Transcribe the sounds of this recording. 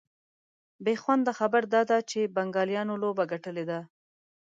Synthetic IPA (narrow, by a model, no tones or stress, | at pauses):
bexwand̪d̪əxabəɾd̪ɑd̪at͡ʃebaŋɡɑljɑnolobaɡaʈəled̪a